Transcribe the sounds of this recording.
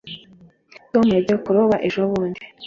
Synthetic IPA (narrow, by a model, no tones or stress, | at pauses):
tomujaɟiokuɾoβaʔeʒoβuːndi